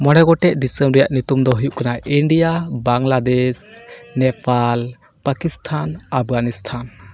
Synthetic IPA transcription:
mɔɽɛɡɔʈɛʔd̪isəmɾɛjaʔnut̪umd̪ɔɦujuʔkanaʔiɳɖijabaŋlad̪ɛsnɛpal | pakist̪ʰanap̚ʰɡanist̪ʰan

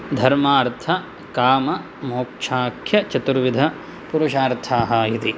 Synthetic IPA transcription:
d̪ʱɐɾmaːɾt̪ʰɐ | kaːmɐ | moːkʂʰaːkʰjɐt͡ʃɐt̪uɾʋid̪ʱɐ | puɾuʃaːɾt̪ʰaːɦɐit̪i

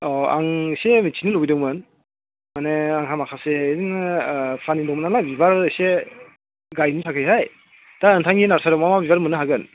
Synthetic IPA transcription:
ɔa̰ŋsemit͡ʃʰinɯlowbidɯŋmɯn | maneaŋɦamakʰaseɾinpʰanidɔŋmɯnalabibaɾse | ɡajnisʰakʰɯjɦaj | d̥aɯntʰaŋɡinaɾsaɾɯmamabibaɾmɯnɯɦaɡɯn

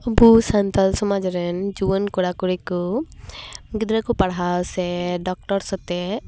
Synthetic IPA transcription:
busant̪ʰalsɔmad͡ʒɾɛnd͡ʒuwənkɔɽakuɾiku | ɡid̪ɾakupaɽɦasɛɖɔk̚ʈɔɾsɔt̪ɛ

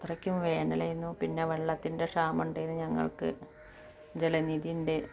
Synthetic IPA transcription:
t̪rɐkʲːumʋe̞ːnɐlɐjunːupinːe̞ʋeɭːɐt̪ːinde̞ʂaːmuɳɖejunːɨɲɐŋːɐ̰ɭkɨ̰ | d͡ʑelɐniðijinde̞

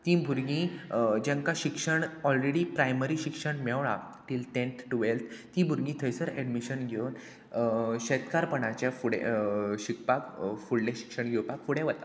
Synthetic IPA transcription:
t̪ĩbʱuɾɡĩd͡ʑãŋkaɕikʂəɳɔlɾeɽipɾajməɾiɕikʂəɳmɛʋɭa̰ʈilʈẽnt̪ʰʈuʋelt̪ʰt̪ĩbʱuɾɡĩt̪ʰəjsəɾɛɖmiɕənɡʱewn | ɕet̪kaɾpəɳat͡ɕjafuɽḛɕikʰpakfuɽlẽɕi̥kʂəɳɡʱewpakfuɽẽʋət̪a

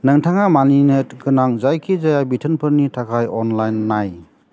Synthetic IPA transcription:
nɯŋtʰaŋamaninɯtɡɯnaŋzajkʰizajabitʰɯnpʰɯɾnitʰakʰajɔnlajnːaj

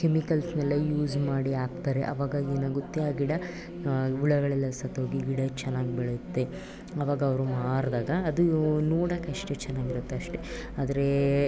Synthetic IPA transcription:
kemikɐlsnɐlːɐjuːzmaːɽiaːk̚t̪aːɾeʔɐ̰ʋaːɡaɡeːnaːɡut̪ːiaːɡiɽɐ | uɭɐɡɐɭɛlːɐsɐt̪ɦoːɡiɡiɽɐt͡ʃɛnːaːɡibɛɭet̪ːe | ɐʋaːɡɐɐʋɐɾumaːɾd̪aːɡɐːd̪unuːɽɐkːeɐʂʈet͡ʃɛnːaːɡiɾut̪ːeɐʂʈeaːd̪ɐɾe̞

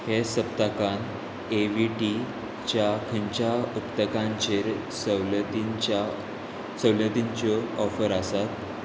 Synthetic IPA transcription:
hesəp̚t̪akan | eʋiʈi | t͡ɕjakʰəɲt͡ɕaupt̪əkãɲt͡ɕeɾ | səlt̪ia | səwlət̪iɲt͡ɕɔɔfəɾasat̪

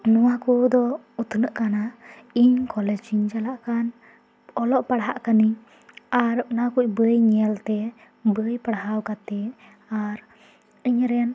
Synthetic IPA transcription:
nɔwakud̪ɔ | ut̪unəʔkana | iɲkɔlɛd͡ʒiɲd͡ʒalaʔkan | ɔlɔʔpaɽɦa̰ʔkani | aɾʔnakuc̚ˀbəjɲɛlt̪ɛ | bəjpaɽɦawkat̪ɛ | aɾ | iɲɾɛn

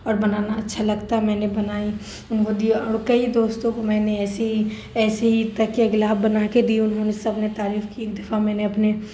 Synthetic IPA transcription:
ɔːɾbɐnaːnaɐtːʃʰalɐɡt̪aɦɛmɛ̃ːnebɐnaːi | ʊnkod̪iɔːɾkɐid̪oːst̪õkomɛ̃ːneɛːsi | ɛːseɦit̪ɐkːeɐɡlaːbbɐnaked̪iʊnɦõnesɐbnet̪aːɾiːfkiɪ̃d̪ɪfamɛ̃ːneɐpne

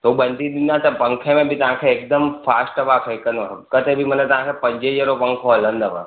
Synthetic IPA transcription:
t̪obənɖ̪id̪unjat̪əpə̃ŋkʰẽmẽbʱit̪ɐɦãkʰeːk̚d̪əmfasʈəʋakʰejkənokət̪ebʱimənet̪ɐʋ̤ãkʰepəɲd͡ʒed͡ʒeɾopəŋkʰoələ̃nd̪əʋə̰

